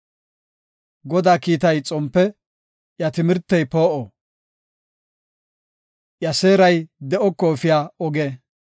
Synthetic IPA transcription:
ɡɔd̪aːkiːt̪ɐjt͡sʼɔmpːɛ | ʔjɐt̪ɪmɪɾt̪ːɛjpoːʔɔ | ʔjɐse̞ːɾɐjd̪ɛʔɔkːɔfɪjaːɔɡeː

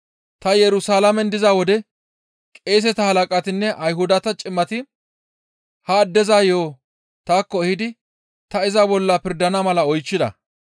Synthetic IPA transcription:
t̪ɐjɛɾʊsaːlɐmɛnd̪ɪzawɔd̪ɛ | kʼeːs̬ɛt̪ɐhɐlɐkʼɐt̪ɪnːɛʔɐjɦʊd̪ɐt̪ɐt͡ʃʼɪmːɐt̪ɪ | hɐːd̪ːɛzaːjoː | t̪aːkːɔɛhɪd̪ɪ | t̪ɐɪzɐbɔlːɐpɪɾd̪ɐnɐmɐlɐɔjt͡ʃːɪd̪ɐ̰

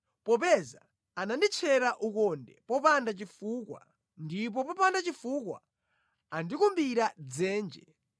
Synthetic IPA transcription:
pɔpɛza | anandit͡ʃʰɛɾaʔukɔndɛ̰pɔpandat͡ʃifuːkwa̰ | ndip̬ɔpɔpandat͡ʃifukwa̰ | andikumbiɾad͡zɛːnd͡ʒɛ

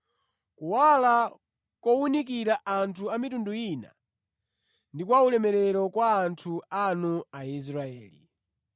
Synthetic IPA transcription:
kuwala | kɔunikiɾaʔantʰuamitunduina̰ | ndikwaulɛmɛɾɛɾɔkwaːntʰuanuais̬ɾaɛːlḭ

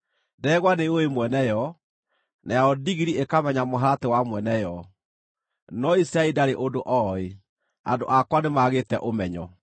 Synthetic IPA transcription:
dɛɣwaneoemwɛnɛjɔ | najaɔdiɣiɾiekamɛɲamoɦaɾatewamwɛnɛjɔ | nɔisɾaidaɾeʔodoʔɔe | a̰ndo̰ʔakwanemaɣetɛʔomɛɲɔ

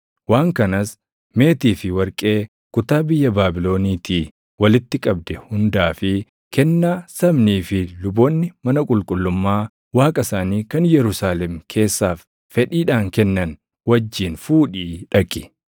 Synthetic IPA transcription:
waːŋkɐnɐs | me̞ːt̪iːfɪwɐɾkʼe̞ː | kʊt̪aːbɪjːɐbaːbɪlo̞ːniːt̪ʰiː | wɐlɪt̪ːɪkʼɐbd̪ɛhʊnd̪aːfɪ | kɛnːaːsɐbniːfɪlʊboːnːɪmɐnɐkʼʊlkʼʊlːʊmːaː | waːkʼɐsaːniːkɐnjɛɾʊsaːlɛmkʰe̞ːsːaːfː | ɛᶑiːᶑaːŋkɛnːɐn | wɐd͡ʒːiːnfuːᶑiːᶑɐkʼɪ̥

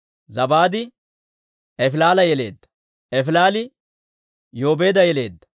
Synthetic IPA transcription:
zɐbaːd̪ɪ | ɛfɪlaːlɐjɛle̞̰ːd̪ːɐ̥ | ɛfɪlaːlɪ | jo̞ːbe̞ːd̪ɐjɛle̞ːd̪ːɐ̥

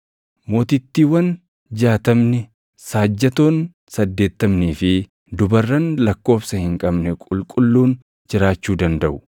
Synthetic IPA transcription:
mo̞ːt̪ɪt̪ːiːwɐn | d͡ʒaːt̪ɐmnɪ | saːd͡ʒːɐt̪o̞ːn | sɐd̪ːe̞ːt̪ːɐmniːfɪ | d̪ʊbɐrːɐnlɐkːo̞ːfsɐhɪŋkʼɐbnɛkʼʊlkʼʊlːuːn | d͡ʒɪɾaːt͡ʃːuːd̪ɐnd̪ɐʔʊ̥

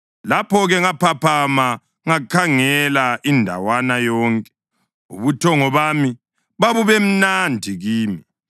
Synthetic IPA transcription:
lapɔɣɛŋapʰapʰama | ŋakʰaŋɛlaʔindʱa̰wanajɔːŋkʼɛ̥ | ṵβutʰɔŋɔβami | βaβuβem̩nandʱiɣiːmi

